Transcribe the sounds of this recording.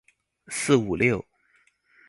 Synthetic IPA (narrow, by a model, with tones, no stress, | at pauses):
sɹ̩˥˩u˨˩ljo˥˩ʊ